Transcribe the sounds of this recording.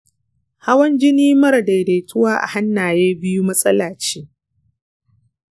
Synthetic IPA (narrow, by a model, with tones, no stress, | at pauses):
ha˦wɐ˦nd͡ʒɪ˦niː˦mɐ˦ɾɐ˨da˨jde˨tʰʊ˦waː˦ʔa̰˨ha˦nːaː˨jeː˦bɪ˦ju˦mɐ˦sʼɐ˦laː˨t͡ʃe̥ː˦